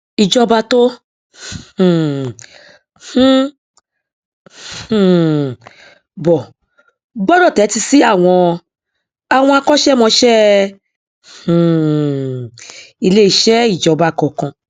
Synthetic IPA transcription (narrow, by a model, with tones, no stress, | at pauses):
i˧d͡ʒɔ˧ba˧to˦˨ | h̩˦ | h̩˨ | bɔ˨ | ɡ͡bɔ˦dɔ˦˨tɛ˨˦ti˧si˦a˦˨w̃ɔ̃˧ | a˨w̃ɔ̃˧a˧kɔ˦ʃɛ˦mɔ̃˧ʃɛ˦ | h̩˨ | i˧le˦i˧˦ʃɛ˦i˦˨d͡ʒɔ˧ba˨˧˨kɔ˨kã˧